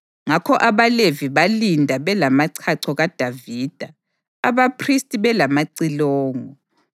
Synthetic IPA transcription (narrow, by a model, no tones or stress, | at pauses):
ŋakʰɔʔaβaleviβalindʱaβɛlamaǀʰaǀʰɔɣad̥ʱaviːd̥ʱa | aβapʰristʼiβɛlamaǀilɔːŋɔ